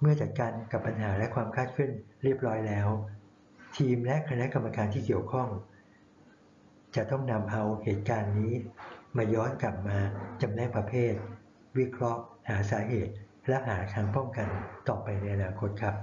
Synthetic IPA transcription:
mɯ˥˩ɐt͡ɕa˨˩t̪̚kaː˧nka˨˩pːa˧nɦaː˩˦lɛ˦˥kʰwaː˧mkʰaː˥˩t̪̚kʰɯ˥˩nɾi˥˩əp̚ɾɔː˦˥jlɛː˦˥w | t̪ʰiː˧mlɛ˦˥ʔkʰa˧na˦˥ka˧mːa˧kaː˧nt̪ʰiː˥˩ki˨˩əwkʰɔ˥˩ŋ | t͡ɕa˨˩ʔt̪ɔ˥˩ŋna˧mʔa˧wheː˨˩t̪̚kaː˧nːiː˦˥maː˧jɔː˦˥nkla˨˩p̚maː˧t͡ɕa˧mlɛː˥˩ŋpɾa˧pʰeː˥˩t̪̚ | wi˦˥kʰɾɔ˦˥ʔhaː˩˦saː˩˦ɦeː˨˩t̪̚ | lɛ˦˥ʔɦaː˩˦t̪ʰaː˧ŋpɔ˥˩mka˧nt̪ɔː˨˩pa˧jna˧jʔa˧naː˧kʰo˦˥t̪̚kʰa˦˥p̚

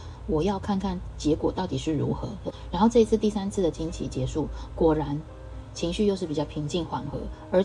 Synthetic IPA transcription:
wɔ˨˩jɑ˥˧ʊkʰa˥˧nkʰa˥˩nt͡ɕjɛ˧˥kwɔ˨˩t̪ɑ˥˩ʊt̪i˨˩ʂɻ̩˥˩ɻṵ˧˥xɤ̰˧˥ɻa˧˥nxo˥˧ʊʈ͡ʂɤ˥˩i˧˥t͡sʰɹ̩˥˧t̪i˥˩sa˥nt͡sʰɹ̩˥˩d̪ə˩t͡ɕʰi˥nt͡ɕʰḭ˧˥t͡ɕjɛ˧˥ʂu˥˩kwɔ˨˩ɻa˧˥n | t͡ɕʰi˧˥ŋɕy˥˧jo˥˧ʊʂɻ̩˥˩pi˨˩t͡ɕɑ˥˩ʊpʰi˧˥ŋt͡ɕi˥˩ŋxwa˨˩˦nxɤ̰˧˥˦ | ə˞˧˥

